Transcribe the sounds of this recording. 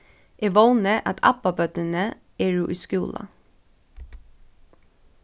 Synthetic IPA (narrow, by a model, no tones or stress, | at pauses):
ʔeːʋoʊnəʔɑt̪ʰɑ̰pɑbœt̪ənə | eːɹuːʔiːskʉːlɑ̰